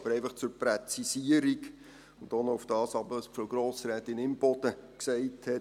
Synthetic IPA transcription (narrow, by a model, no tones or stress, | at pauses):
b̥əɾɛɪfəχt͡sʊɾpɾɛt͡sisiəɾiɡ | ʊnd̥onɔʊfd̥ɑːsɑbəspɔɡ̥ɾoːsɾɛːtɪnɪmb̥ɔd̥əksɛɪthɛt